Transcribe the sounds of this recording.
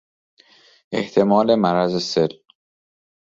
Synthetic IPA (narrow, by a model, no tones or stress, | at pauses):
ʔe̞̰ht̪ʰe̞mɒːle̞mæɾæzese̞l